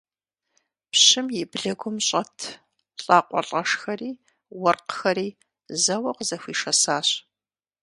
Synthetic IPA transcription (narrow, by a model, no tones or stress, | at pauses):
pɕɪmjɪbɮɐɡʷʊmɕʼɐtʰ | ɬʼaːqʷʼɔ̰ɬʼɐʂxɐriː | wɔrqxɐɾiː | zɐwɐqəzɐxʷiːʂɐsaːɕ